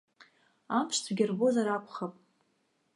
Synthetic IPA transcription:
amʰʂt͡sʰɡʲɪrbozaɾakʷʰχapʼ

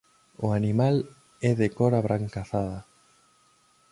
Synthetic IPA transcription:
ʊanimal | ɛðekɔɾaβɾʔaŋkaθaða

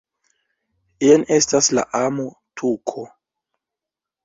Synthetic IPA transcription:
ene̞stasla̰ʔamo | tʰukʰo

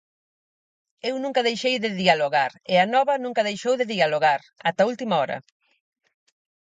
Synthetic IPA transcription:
ewnũŋkɐðejʃejðɪðialoɣaɾɪanɔβɐnũŋkɐðejʃowðeðialoɣaɾ | at̪ɐult̪imaɔɾɐ̰

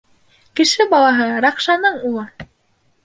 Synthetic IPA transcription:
kɘ̆ʃɘbɑlˠɑɦɤɾɑqʃɑnɤɴulˠɤ

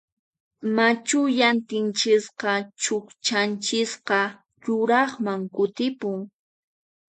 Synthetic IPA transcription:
mat͡ʃʊjant̪ɪnt͡ʃɪsqɑt͡ʃʊkt͡ʃant͡ʃɪsqɑ | ʎʊɾɑχmaŋkʊt̪ɪpʊŋ

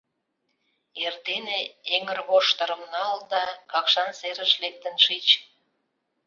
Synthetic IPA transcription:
erd̪eneeŋərβoʃt̪əɾə̆mnɑld̪ɑkɑkʃɑnseɾəʃlek̚t̪ənʃit͡ɕ

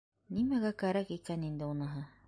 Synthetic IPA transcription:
nimæɡækæɾækikænind̪ɘunɤ̆ɦɤ

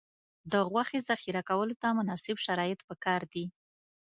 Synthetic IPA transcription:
d̪əɣwaxezaxiɾakawəlot̪amʊnɑsɪbʃaɾɑjɪt̪pəkɑɾd̪i

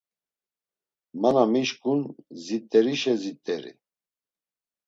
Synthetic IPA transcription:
manamiʃkʼunzit̪ʼːɛɾiʃɛzit̪ʼːɛɾḭ

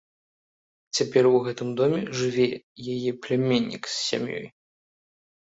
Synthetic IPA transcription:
t͡sʲapʲɛrwɣɛt̪ɨmd̪ɔmʲɛʐɨvʲɛ | jajɛplʲɛmʲenʲːḭksːʲa̰mjɔ̰j

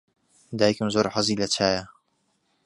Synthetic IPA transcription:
d̪aːjikɨmzoːɾħazilɐt͡ʃʰaːjɐ

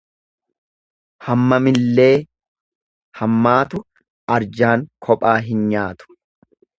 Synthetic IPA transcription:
hɐmːɐmɪlːe̞ː | hɐmːaːt̪ʊ | ɐɾd͡ʒaːŋkʰɔpʼaːɦɪnɲaːt̪ʊ̥

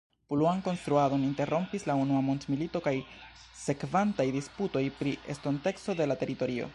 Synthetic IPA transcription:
puluanko̞nst̪ɾuado̞ninte̞ɾo̞mpislaunuamo̞ntmilito̞kaj | se̞kvantajdisputo̞jpɾiḛsto̞nte̞ksto̞de̞late̞ɾito̞ɾio̞̰

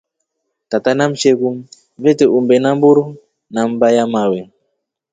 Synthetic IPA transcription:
tatanam̩ʃeku | vɛteʔumbɛnambuɾu | nam̩bajamawɛ

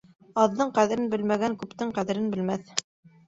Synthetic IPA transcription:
ɑðːɤɴqæðɘ̆ɾɘnbɘ̆lmæɡæŋkʉpt̪ɘɴqæðɘ̆ɾɘnbɘ̆lmæθ

